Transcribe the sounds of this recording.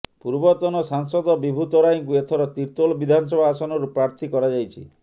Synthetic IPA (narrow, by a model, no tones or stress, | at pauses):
puɾbɔt̪ɔnɔsaŋsɔd̪ɔbibʱut̪ɔɾajŋkuet̪ʰɔɾɔt̪iɾt̪olɔbid̪ʱanɔs̬ɔbʱaːsɔnɔɾupɾaɾt̪ʰikɔɾad͡ʒajt͡ʃʰḭ